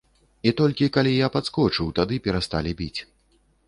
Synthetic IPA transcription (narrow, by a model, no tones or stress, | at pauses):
it̪ɔlʲkʲikalʲijapat̪skɔt͡ʂɨwt̪ad̪ɨpʲɛɾast̪alʲibʲit͡sʲ